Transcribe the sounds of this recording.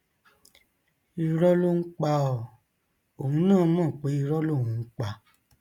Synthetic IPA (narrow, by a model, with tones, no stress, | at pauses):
i˧ɾɔ˦lo˦ŋ̩˦k͡pa˧ɔ˨ | o˨hũ˧nãː˦˨˦mãː˦˨k͡pe˨˦i˧ɾɔ˦lo˦˨w̃ũ˨˧ŋ̩˦k͡pa˧